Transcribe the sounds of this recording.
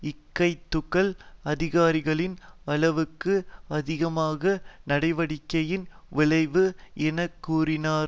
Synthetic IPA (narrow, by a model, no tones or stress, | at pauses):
ɪkːɐɪt̪ːʊɣɐlɐðɪɣaːɾɪɣɐɭɪnɐɭɐʋɯkːɯɐðɪɣɐmaːɣɐnɐɽɐɪʋɐɽɪkːɐjɪn | ʋɪɭɐɪʋɯɛnɐkːuːrɪnaːɾ